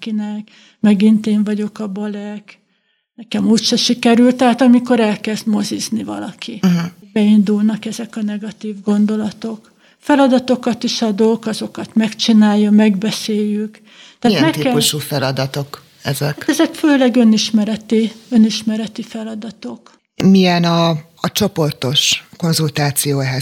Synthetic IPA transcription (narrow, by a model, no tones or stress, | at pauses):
kinɛk | mɛɡint̪eːɱvɒɟo̞kɒbɒlɛk | nɛkɛmuːcʃɛʃikɛɾylt̪ɛɦaːt̪ɒmiko̞ɾɛlkɛzd̪mo̞ziznivɒ̰lɒ̰kʰibɛind̪ulnɒkɛzɛkɒnɛɡɒt̪iːvɡo̞nd̪o̞lɒt̪o̞k | fɛlɒd̪ɒt̪o̞kɒt̪iʃɒd̪okɒzo̞kɒt̪mɛkt͡ʃinaːjːɒmɛɡbɛseːjːyk | t̪ɛːt̪mɛkːɛuʃufɛlɒd̪ɒt̪o̞k | ɛzɛatt̪ɛzɛkføːlɛɡø̞niʃmɛɾɛt̪iø̞niʃmɛɾɛt̪ifɛlɒd̪ɒt̪ok | miɛnɒː | t͡ʃo̞po̞rt̪o̞ʃko̞nzult̪aːt̪sijoːɛɦɛ